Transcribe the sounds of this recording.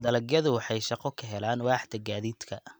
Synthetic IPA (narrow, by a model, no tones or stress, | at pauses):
d̪ɐlɐɡjɐðʊwɑħɑjʃɑqɔkʰɐɦɛlaːnwɑːħd̪ɐɡaːðiːd̪kʰɐ